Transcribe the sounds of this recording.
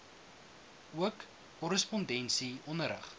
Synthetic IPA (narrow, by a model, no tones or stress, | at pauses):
uəkː | ɔɾəspɔndɛnsiɔnəɾə̰χ